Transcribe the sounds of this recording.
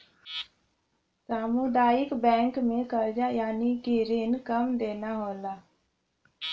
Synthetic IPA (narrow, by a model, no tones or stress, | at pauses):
saːmʊd̪aːjɪkbɛ̃ːŋkmẽkəɾd͡ʒajaːnikiɾɪnkəmd̪eːnaɦoːlaː